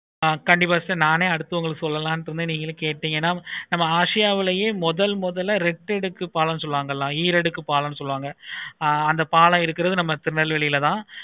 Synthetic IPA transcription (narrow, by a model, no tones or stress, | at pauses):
kɐɳɖɪp̬ːaːsɐnaːneːɐɽɯt̪ːɯʋɐŋɡɐɭɯkːsɔlːɐlãːnɖɪɾɯnd̪ɯniːŋɡɐɭɯkeːʈ̚ʈ̪ːiːŋɡɐɛnːaːnɐmːɐaːʂɪjaːʋɪlɐjeːmɔðɐlmɔðɐlɐɾɛʈːɛɽɯkːɯpaːlɐnːɯs̬ɔlːʋaːŋɡɐlːãːiːɾɛɽɯkːɯpaːlɐnːɯsɔlːʋaːŋɡɐ | ɐnd̪ɐpaːlãːɪɾɯkːɪɾɐðɯnɐmːɐt̪ɪɾɯɳɐɭʋɛɭɪjɪlɐt̪ãː